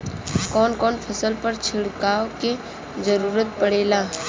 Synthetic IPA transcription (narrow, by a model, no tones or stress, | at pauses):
kɔːnkɔːnpʰɐsəlpɐɾt͡ʃʰɪɽkaːwke | zəɾuːɾət̪̚pɐɽeːlaː